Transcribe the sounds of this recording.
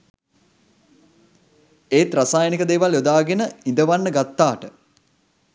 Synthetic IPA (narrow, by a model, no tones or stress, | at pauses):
eːt̪ɾasaːjənikəd̪eːʋaljod̪aːɡenəind̪əʋanːəɡat̪ːaːʈə